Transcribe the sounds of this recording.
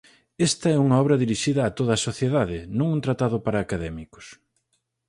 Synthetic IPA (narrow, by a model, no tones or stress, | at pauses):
ɛst̪ɐɛuŋɐɔβɾɐðiɾiʃiðɐːt̪oð̞ɐːsoθjeðaðɪnõŋunt̪ɾat̪aðʊpaɾɐːkaðɛmikʊ̥s